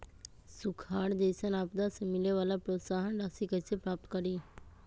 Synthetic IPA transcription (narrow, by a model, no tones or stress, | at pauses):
sʊkʰaːɽd̪eːsənaːpd̪asemɪleʋaːlapɾoːt̪saːɦənɖaːsikəsepɾaːp̚t̪kəɾiː